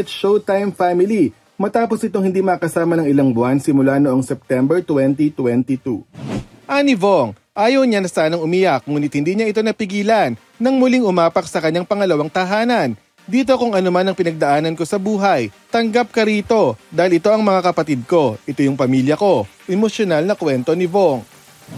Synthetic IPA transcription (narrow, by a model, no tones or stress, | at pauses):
ɛt̪ʃowt̪ajmfamɪli | mɐt̪aːpo̞sɪt̪o̞ŋhɪnd̪imɐkɐsaːmɐnɐŋɪlaŋbʊansɪmʊlanoʔoŋsɛp̚t̪ɛmbɛɹt̪wɛnt̪it̪wɛnt̪it̪uʔaːnivoŋ | ʔaːjɐwɲanɐsaːnɐŋʊmɪjak̚muːnɪt̪̚hɪnd̪iːɲaʔɪt̪̬o̞nɐpɪɡiːlɐnːɐŋmʊliŋʔʊmaːpɐk̚sɐkɐɲːaŋpɐŋɐlɐwaŋt̪ɐɦaːnɐn | d̪iːt̪̬o̞kʊŋɐno̞manɐŋpɪnɐɡ̚d̪ɐʔaːnɐnko̞sɐbuːɦɐjt̪ɐŋɡap̚kɐɾiːt̪o̞d̪aːhɪlʔɪt̪o̞ʔɐŋmɐŋakɐpɐt̪id̪̚ko̞ʔɪt̪o̞jʊŋpɐmiːljɐko̞ʔɛmosjonalnɐkwɛnt̪o̞nɪvoŋ